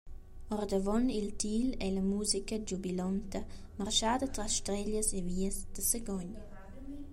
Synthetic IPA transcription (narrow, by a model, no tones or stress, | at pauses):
ɔɾd̪əvɔnilt̪ilɛləmuːzikəd͡ʒubilɔnt̪ə | marʃaːd̪ət̪ɾasʃt̪ɾɛʎəseviːəsd̪̥əsəɡɔɲ